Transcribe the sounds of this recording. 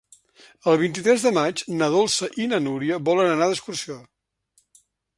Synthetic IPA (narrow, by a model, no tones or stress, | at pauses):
əlˠβ̞int̪̬it̪ɾɛzðəmat͡ʃnəðolˠsəʔinənuɾiəβɔlənənaðəskursio